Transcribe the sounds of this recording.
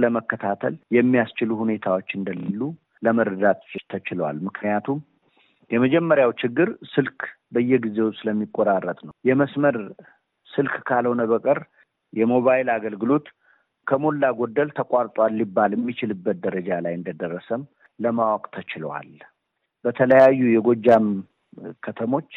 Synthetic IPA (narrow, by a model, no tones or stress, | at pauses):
ləməkːət̪ʰat̪ʰə̰ljɛmːijast͡ʃɪluhune̞t̪ʰawo̞t͡ʃːɨnd̪əlilːu | ləməɾəd̪at̪t̪ʰət͡ʃɪləwa̰lmɨknjat̪ʰum | jɛməd͡ʒɛmːəɾjawt͡ʃɪɡːɨɾsɨlkʰbəjːɛɡize̞wsɨləmːikʼːoɾʼarːət̪ʼnəwjɛməsməɾ | sɨlkkʰalho̞nəβəkʼəɾ | jɛmo̞βajilaɡəlɡɨlo̞t̪ | kʰəmolːaɡo̞d̪ːəlt̪ʰəkʼaɾt̪ʼwalːibːaljɛmːit͡ʃɪlɨbːət̪̚d̪əɾəd͡ʒalajɨnd̪əd̪ərːəsəm | ləmawkʼt̪ʰət͡ʃɪləwa̰l | bət̪ʰələjajːujɛɡo̞d͡ʒam | kʰət̪ʰəmo̞t͡ʃː